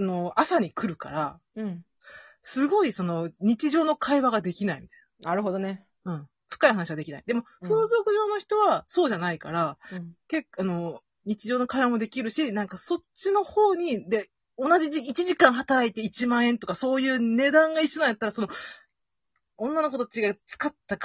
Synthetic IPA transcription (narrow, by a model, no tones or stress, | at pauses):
ano̞asaɲ̟ikɯ̟ɾɯ̟ka̰ɾã | sɨɡo̞iso̞no̞ɲ̟it͡ɕiʑo̞ːno̞kʰaiβaɡad̪e̞kʲinaimʲit̪ḁijnaḁnaɾɯɦod̪one | ɯ̟̃ɴ̃ | ɸɯ̟̥kaihɦanaɕiɡad̪ekʲina̰ḭd̪e̞mo̞ɸɯːzo̞kɯ̟ʑo̞ːno̞çi̥t̪o̞β̞aso̞ːʑanaikaɾake̞kano̞ | ɲ̟it͡ɕiʑo̞ːno̞kaiβamo̞d̪e̞kʲiɾɯ̟ɕinãŋkaso̞t͡ɕino̞ho̞ːɲ̟id̪e̞ | o̞naʑiiit͡ɕiʑikãɰ̃ɦat̪aɾait̪eit͡ɕimãɰ̃ẽ̞nt̪o̞kaso̞ːjɯ̟ːne̞d̪ãŋɡaiɕonãjat̪ːaɾasono̞ | õ̞nːano̞k̬o̞t̪t͡ɕiɡat͡sɨ̥kat̪ːak